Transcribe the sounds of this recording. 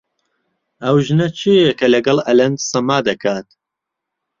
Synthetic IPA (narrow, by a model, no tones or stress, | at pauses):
ɐwʒnɐt͡ʃʰijekɐlɐɡɐlˠɐlɐnd̪sɐmaːd̪ɐkʰaːt̪